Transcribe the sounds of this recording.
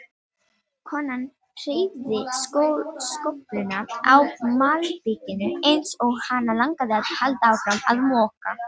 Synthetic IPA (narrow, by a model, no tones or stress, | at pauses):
kʰɔːnːan | r̥ejvðɪskowskɔplʏnaawmaːlpɪcɪnʏejnsɔɣhanːalaŋkaðɪat̪halt̪aaːwfɾama̰ðmɔːka̰